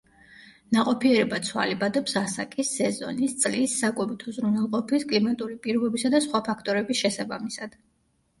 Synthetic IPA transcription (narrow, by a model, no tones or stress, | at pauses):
naqʼɔpʰiɛɾɛbat̪sʰwa̰libad̪ɛpsasakʼisːɛzɔ̰nist̪sʼlisːakʼwɔbit̪ʰuzɾunɛlˠqʼɔpʰiskʼlimat̪ʼulipʼiɾɔbɛbisad̪asχwapʰakʰt̪ʼɔɾɛbisʃɛsabamisad̪̥